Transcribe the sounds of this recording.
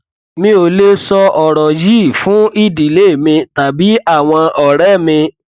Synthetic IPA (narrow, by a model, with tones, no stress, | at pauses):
mĩ˦o˨˧le˦sɔ˧ʔɔ˨ɾɔ˨ji˦˨fũ˨˦i˦˨di˨le˨˦˨mĩ˧ta˨bi˨˦a˦˨w̃ɔ̃˧ɔ˨ɾɛ˨˦˨mĩ˧